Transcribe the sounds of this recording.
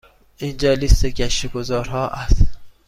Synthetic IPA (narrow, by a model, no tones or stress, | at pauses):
ʔind͡ʒɒːlist̪ekʰæʃeɡozɒːɾhɒːʔæst̪